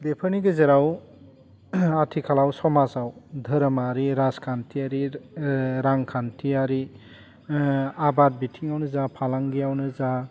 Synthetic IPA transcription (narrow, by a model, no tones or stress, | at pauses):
depʰəniɡɯzeɾaw | atʰikʰalawsɔmasawdʱəɾmaɾiɾaskʰantʰiaɾi | ɾaŋkʰantʰiaɾi | abat̚bitʰiŋawnɯzapʰalaŋɡijawnɯza